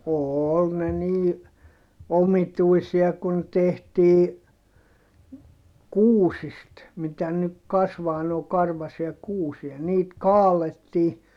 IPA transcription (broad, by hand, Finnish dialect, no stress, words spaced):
oːl ne niː omituisiɑ kun tehtiː kuːsist mitæ nyk kɑsʋɑː noː kɑrʋɑsiɑ kuːsiɑ niːt kɑːletːiː